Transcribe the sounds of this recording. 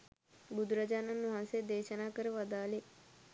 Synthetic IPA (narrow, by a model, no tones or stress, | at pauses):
ɡud̪ɾəd͡ʒananuɦãsed̪eʃənakəɾʋəd̪ale